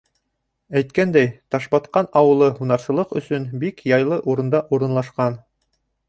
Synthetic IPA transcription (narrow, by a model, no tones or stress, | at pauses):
æjt̪kænd̪æjt̪ɑʃbɑt̪qɑnɑwɤ̆lˠɤhunɑɾsɤ̆lˠɤqɵ̆sɵnbikjɑjlˠɤʔuɾɤ̆nd̪ɑʔuɾɤ̆nlˠɑʃqɑn